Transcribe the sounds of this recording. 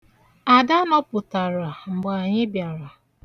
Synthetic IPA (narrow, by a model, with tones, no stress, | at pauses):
a˨da˦nɔ˦pʊ˨ta˨ɾa˨ŋ͡m̩˨ɡ͡ba˨ɲɪ˦bja˨ɾa˨